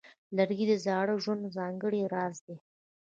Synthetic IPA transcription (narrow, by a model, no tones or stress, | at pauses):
laɾɡid̪əzɑɽəʒwand̪zɑŋɡəɽiɾɑzd̪e